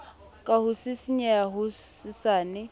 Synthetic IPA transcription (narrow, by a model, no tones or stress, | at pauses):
kʼaɦʊsɪsiɲɛaɦʊ | sɪsaːnɪ